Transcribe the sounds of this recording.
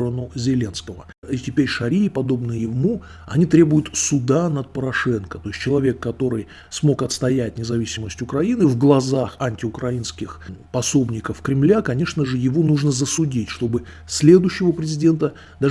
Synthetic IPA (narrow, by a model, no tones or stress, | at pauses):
ɾənʊzʲɪlʲe̞nskəvə̰ | itʲɪpʲeɾʲʂɐɾʲiːpɐd̪o̞bnɨjɪmu | ɐ̰nʲit̪ɾʲe̞bʊjʊt̪sʊd̪anət̪̚pəɾɐʂɛnkət̪o̞ɪstʲt͡ɕɪlˠɐvʲe̞kːɐt̪o̞ɾɨj | smo̞kɐt̪st̪ɐjætʲnʲɪzɐvʲisʲɪməsʲtʲʊkɾɐinɨvɡlˠɐzaxɐnʲtʲɪʊkɾɐinskʲɪxpɐso̞bnʲɪkəfkɾʲɪmlʲakɐnʲe̞ʂnəʐɨjɪvo̞nuʐnəzəsʊdʲitʲʂt̪o̞bɨ | sʲlʲe̞d̪ʊɕːɪvəpɾʲɪzʲɪdʲe̞nt̪ə | d̪a